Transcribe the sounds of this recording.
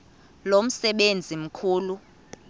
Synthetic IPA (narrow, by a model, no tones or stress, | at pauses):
lom̩sɛɓend͡zʱim̩kʰuːlu